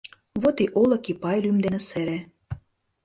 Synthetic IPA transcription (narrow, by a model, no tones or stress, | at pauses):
βot̪iʔolɤ̆kipɑjlymd̪enĕseɾĕ